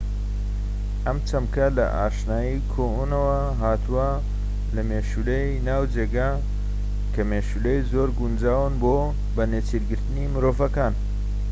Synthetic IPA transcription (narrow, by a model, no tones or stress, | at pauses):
ʔɐmt͡ʃɐmkɐlɐ̰ʔa̰ːʃnaːjikʰoːʔunɐwɐ | ɦaːt̪ʰuwɐ | lɐmeːʃulejnaːwd͡ʒeːɡa | kʰɐmeːʃulejzoːɾɡund͡ʒaːwɨnbo | bɐnet͡siɾɡɨɾt̪ɨnimɨɾoːvɐkaːn